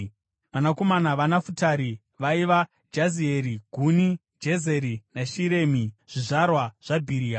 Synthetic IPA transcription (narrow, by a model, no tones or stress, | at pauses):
ʋanako̞manaʋanafutaɾi | ʋaiʋa | d͡ʒazieɾiɡʱuni | d͡ʒeze̞ɾinaʃiɾe̞ːmiʐ̥iʐaɾrwaʐ̥abʱiɾiːa